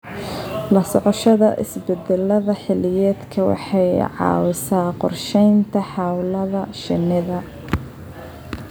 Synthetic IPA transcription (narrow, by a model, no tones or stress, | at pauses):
lɐsɔʕɔʃɐðɐʔɪ̰sbɛd̪ɛlɐðɐħɪlɪjɛːd̪kʰɐwɑ̰ħɑjʕɑ̰ːwɪsaːqɔrʃɛjnt̪ʰɐħɑwlɐðɐʃɪnɪðɐ